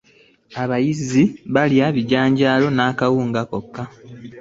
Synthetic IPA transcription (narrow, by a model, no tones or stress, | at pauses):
aβajiziβaljaβiɟaːɲɟaːlo̞naːkawuːŋɡako̞kːa